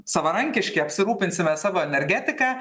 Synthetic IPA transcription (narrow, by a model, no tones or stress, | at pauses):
sɐʋɐɾɐŋʲkʲɪʃʲkʲɛɪɐpʲsʲɪɾuːpʲɪnʲsʲɪmʲɛsɑːʋoːɛnʲɛɾʲɡʲæːt̪ʲɪkɑː